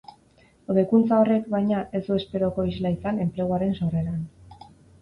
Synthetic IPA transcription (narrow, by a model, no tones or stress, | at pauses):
oðekunt͡sao̞re̞kbajɲaʔe̞zd̪ue̞spe̞ɾo̞ko̞izlaisane̞mple̞ɣ̞oaɾe̞nsore̞ɾan